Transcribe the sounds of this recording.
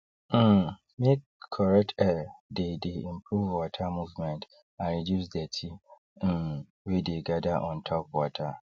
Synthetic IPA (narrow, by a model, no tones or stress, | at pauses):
mekʰːɔɹɛk̚tʰɛdedeĩmpʰɹuvwɔtʰamuvmɛ̃nt | ãnɹidjusdɛtʰĩ | wedeɡadaʔɔ̃ntʰɔp̚wɔtʰa